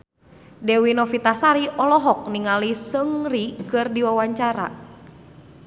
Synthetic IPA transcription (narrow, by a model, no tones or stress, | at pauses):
dɛwinɔfit̪asaɾiʔɔlɔɦɔk̚niŋalisəŋrikɨrdiwawaɲt͡ʃaɾa̰